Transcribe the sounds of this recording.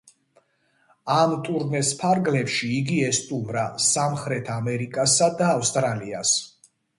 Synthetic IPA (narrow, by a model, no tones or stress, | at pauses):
amt̪ʼuɾnɛspʰaɾɡlɛpʃiːɡiɛst̪ʼumɾasamχɾɛt̪ʰamɛɾikʼasad̪aːfst̪ʼɾalias